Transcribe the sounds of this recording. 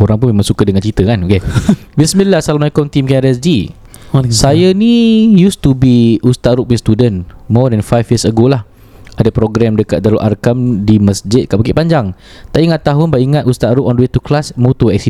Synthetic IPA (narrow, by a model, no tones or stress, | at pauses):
oɾãŋp̬ʊunmẽmãŋsukədəŋãnt͡ʃit̪əkanokebisminlasalamajkɔnt̪imkɛɾɛsd͡ʒi | sajənijust̪ubiust̪at̪ɾuk̚mist̪udənmɔdɛnfajfjəsəɡolah | adəpɾoɡɾɛmdəkat̪̚daɾoʔarkamdiməsd͡ʒɪt̪̚kaʔbəkɪʔpaɲd͡ʒaŋ | t̪aʔiŋat̪ːaɦʊnbaʔiŋat̪̚ust̪aʔ̪ɾʊkɔ̃ndwet̪uklasmot̪oɛk̚si